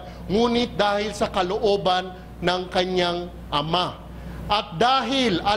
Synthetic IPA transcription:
ŋuːnɪt̪̚d̪aːhɪlsɐkɐloʔo̞ːbanː | ɐŋkɐɲaŋ | ʔɐma | ʔɐt̪̚d̪aːɦɪlɐ

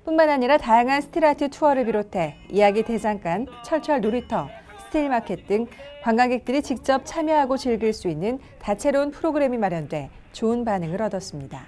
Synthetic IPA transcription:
p͈unmanaɲiɾatajaŋɦansʰɯ̥tʰiɾatʰɯtʰuʌɾɯɭpiɾotʰe̞ijaɡite̞saŋk͈ant͡ɕʰʌɭt͡ɕʰʌɭnoɾitʰʌ | sʰɯ̥tʰeɭmakʰe̞t̚t͈ɯŋkwaŋɡaɡe̞k̚t͈ɯɾit͡ɕik̚t͡ɕ͈ʌp̚t͡ɕʰamjʌɦaɡot͡ɕiɭɡiɭs͈uinːɯn | tat͡ɕʰe̞ɾounpʰɯɾoɡɯɾe̞mimaɾjʌndwe̞ | t͡ɕoɯnpanɯŋɯɾʌdʌs͈ɯmɲida

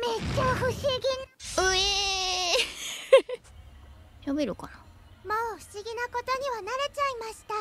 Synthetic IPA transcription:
met͡ɕaɸɯ̟ɕiɡʲinɯe | jobeɾɯ̟kana | moːɸɯ̟̥ɕiɡʲinako̞t̪o̞ɲ̟iβanaɾe̞t͡ɕaimaɕi̥t̪a

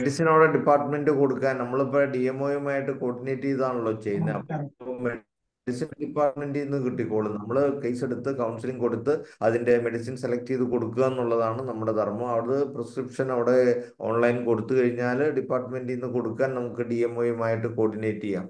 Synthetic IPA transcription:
meɽisinɐʋiɽeɖipːaːrʈːɐme̞ndɨko̞ɽukːaːnnɐmːɐɭpːoːɖijemːoːjɐmaːjiʈːɨko̞ːɖineːʈːijɐðaːɳuɭːo̞ːt͡ɕejɨnːɐɐpːo | eɽisinɖipːaːrʈme̞ndinːɨkiʈːikʲːoːɭunɐmːɐɭkɐjse̞ɽut̪ːɨkɐwnsiliŋko̞ɽut̪ːɨɐðinde̞me̞ɽisinselɐk̚tijðɨko̞ɽukːuɐenːuɭːɐðaːɳɨnɐmːuɽet̪ɐrmɐɐʋiɽɐðɨprɐskripʂɐnɐʋiɽe̞ | o̞ːnlɐjnko̞ɽut̪ːukɐɻiɲːaːlɖipːaːrʈːɐme̞ndiinːɨko̞ɽukːaːnnɐmukːɨɖijemːoːjumaːjiʈːɨko̞ːɖineːʈːija̰ː

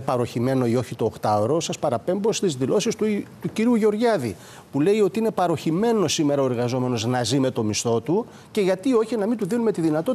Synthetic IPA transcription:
pɐɾo̞çime̞no̞io̞çit̪o̞ːxt̪ɐo̞ɾo̞sɐspɐɾɐpe̞mbo̞st̪izðilo̞sist̪ut̪uciɾiuʝeo̞ɾʝɐðḭ | pule̞io̞t̪iine̞pɐɾo̞çime̞no̞sime̞ɾɐoe̞ɾɣɐzo̞me̞no̞znɐzime̞t̪o̞mist̪o̞t̪u | ce̞ʝɐt̪io̞çinɐmind̪uðinume̞t̪iðinɐt̪o̞

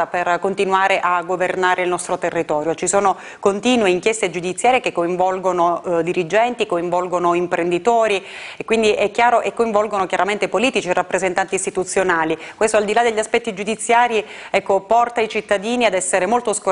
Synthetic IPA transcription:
aperkont̪inwaːɾeʔaɡːovernaːɾeilnɔst̪ɾot̪erːit̪ɔːɾjot͡ʃisoːno | kont̪iːnweiŋkjɛst̪ed͡ʒud̪it̪sjaːɾjekekːoiɱvɔlɡonod̪iɾid͡ʒɛnt̪ikoiɱvɔlɡonoimpɾʔend̪it̪oːɾiekwind̪iʔɛkjaːɾoʔekːoĩɱvɔlɡonokjaɾament̪epoliːt̪it͡ʃirːapːɾezent̪ant̪ist̪it̪ut̪sːjonaːlikwest̪oald̪ilad̪eʎːaspɛt̪ːid͡ʒud̪it̪sːjaːɾi | ɛkːopɔrt̪ait͡ʃit̪ːad̪iːniad̪ɛsːeɾemolt̪osko

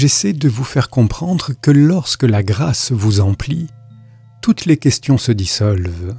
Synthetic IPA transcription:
ʒesɛd̪əvufɛʁkɔ̃pχɑ̃d̪ʁəkəlɔʁskəlaɡʁasvuzɑ̃pli | t̪ut̪lekʲɛst̪jɔ̃səd̪isɔlv

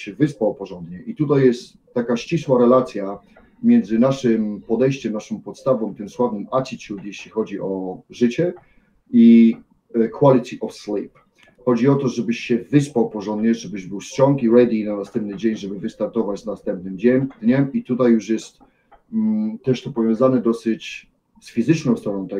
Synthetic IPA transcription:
ɕɛvɘspawpɔʐɔnd̪ɲɛʔit̪ut̪̬ajːɛst̪ːakaɕt͡ɕiswaɾɛlat̪sʲja | mʲjɛnd̪zɘnaʂɘmpɔd̪ɛjɕt͡ɕɛmnaʂɨmpɔt̪st̪avɔ̃mt̪ɘmswavnɘmat͡ɕit͡ɕut̪jeɕlʲixɔd͡ʑiʔɔʐɘt͡ɕɛ | i | kwalʲit̪ʰʲiʔɔfslip | xɔd͡ʑiɔt̪ɔʐɛbɘɕɕɛvɘspawpɔʐɔnd̪ɲɛʐɛbɘʑbɘwɕt͡ɕɔ̃ŋkiɾɛd̪inanast̪ɛ̃mp̚nɘd͡ʑeɲʐɛbɘvɘst̪aɾt̪ɔvat͡ɕnast̪ɛmp̚nɘmd͡ʑɛmd̪ɲɛmit̪ut̪ajːuʂjɛst̪ | t̪ɛʂt̪ɔpɔvʲjɔ̃w̃zanɛd̪ɔsɘt͡ɕ | sfʲizɘt͡ʂnɔwst̪ɾɔnɔ̃w̃t̪a

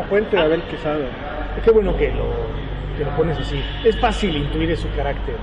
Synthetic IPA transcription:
pwent̪eðeaβelkesaðo | ke̞βweno̞ke̞lo̰ | ke̞lo̞po̞nes̬asi | esfasilint̪uiɾesukaɾakt̪eɾ

